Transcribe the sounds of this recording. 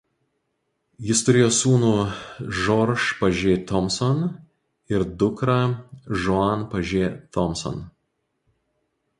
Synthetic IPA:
jɪst̪ʊɾʲeːjoːsuːnuːʒɔɾʃpɐʒʲeːt̪ɔmsɔn | ɪɾd̪ʊkɾɐʒɔɑnpɐʒʲeːt̪ɔmsɔ̰n

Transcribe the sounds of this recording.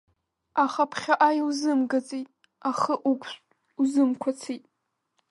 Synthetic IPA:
aχapʰχʲaʔajuzɨmɡat͡sʼijtʼ | aχəʔukʷʼʰɕʷ | uzɨmkʷʰat͡sʰitʼ

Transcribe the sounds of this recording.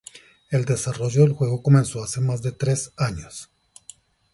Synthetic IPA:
e̞ld̪e̞saro̞ʝoðe̞lxwe̞ɣo̞ko̞mẽ̞nso̞ase̞mazðe̞t̪ɾe̞saɲos

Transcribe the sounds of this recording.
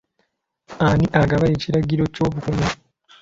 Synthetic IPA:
aniʔaɡaβaeciɾaɟiɾo̞co̞ːβukumu

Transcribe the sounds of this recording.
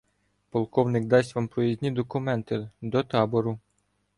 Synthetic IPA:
pɔlˠkɔwnɪkd̪ɑsʲʋɑmpɾɔjizʲnʲid̪ɔkʊmɛnt̪ɪd̪ɔt̪ɑbɔɾʊ

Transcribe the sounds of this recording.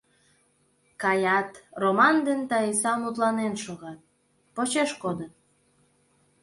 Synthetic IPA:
kɑjɑt̪romɑnd̪ent̪ɑisɑmut̪lɑnenʃoɣɑt̪̚ | pot͡ɕeʃkod̪ən

